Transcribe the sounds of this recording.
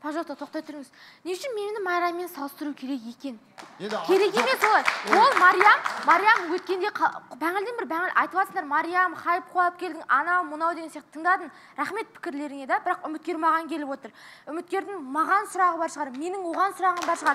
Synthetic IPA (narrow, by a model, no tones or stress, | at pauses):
pʰɑʒot̪ɑt̪ʰo̞q̚t̪ɑjt̪ʰʊɾɪŋɪz | neʃɪnme̞nnɪmɑjɾɑmme̞nsɑlˠəst̪əɾukʲʰe̞ɾe̞kje̞kʲe̞n | kʲʰe̞ɾe̞kʲe̞me̞swolˠɑjwo̞lˠmɑɾijamːɑɾijamwɵt̪̚kʲe̞nd̪e̞qʰbæŋɪld̪enbɪɾbæŋɪlʔɑ̰jt̪əpɑsəɴd̪ɑɾmɑɾijamχɑjəp̚qʰoɑlˠəp̚kʲʰe̞ld̪ɪŋɑnɑwmʊnɑwd̪e̞ɡʲesijɑqt̪ət̪ʰəŋd̪ɑd̪ən | ɾæχme̞t̪̚pʰɪ̥kʲɪɾle̞ɾɪŋe̞d̪ɑbɪɾɑqʏmɪt̪̚kʲe̞ɾmɑʁɑŋkʲʰe̞lɪpwot̪əɾʏmɪt̪̚kʲe̞ɾd̪ɪŋmɑʁɑnsʊɾɑʁəbɑɾʃəʁɑɾme̞nɪŋwo̞ʁɑnsʊɾɑʁəmbɑɾʃəʁɑɾ